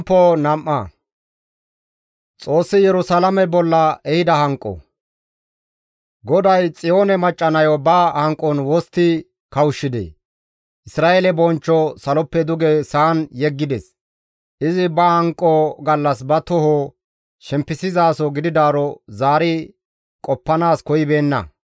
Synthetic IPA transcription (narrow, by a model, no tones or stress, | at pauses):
pːonɐmʔːɐ | t͡sʼo̞ːsːɪjɛɾʊsalɐmɛbɔlːɐɛhɪd̪ɐhɐŋkʼːɔ̰ | ɡɔd̪ɐjt͡sʼɪjoːnɛmɐt͡ʃʼːɐnɐjɔbɐhɐŋkʼːɔnwɔst̪ːɪ | kɐwʊʃːɪd̪ɛ̰ | ʔɪsɾaːelɛbɔnt͡ʃːɔsɐlɔpːɛd̪ʊɡɛsaːnjɛɡːɪd̪ɛs | ʔɪzɪbɐhɐŋkʼːɔɡɐlːɐsbɐt̪ɔho | ʃɛmpːɪsɪzaːsɔɡɪd̪ɪd̪aːɾɔzaːɾɪ | kʼɔpːɐnaːskɔjɪbe̞ːnːɐ̰